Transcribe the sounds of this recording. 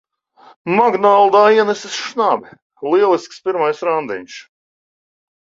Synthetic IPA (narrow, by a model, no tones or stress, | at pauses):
maɡnalˠd̪aːiɛnɛsisʃnaːbʲi | lˠiɛlˠiskspʲiɾmajsɾand̪ḭɲʲʃ